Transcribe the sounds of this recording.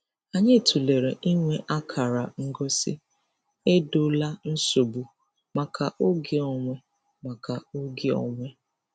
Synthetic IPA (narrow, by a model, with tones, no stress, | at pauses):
a˨ɲe˦˨tʰu˨le˨ɾe˨ʔi˦ŋʷe˦ʔa˦kʰa˨ɾa˨ŋ̩˦ɡɔ˦sɪ˦ | e˦do˦la˦n̩˦so˨bu˨ | ma˨kʰa˨ʔo˦ɡɪ˨ɔ˨ŋʷe˦ | ma˨ka˨o˦ɡɪ˦ɔ̰˨ŋʷe˦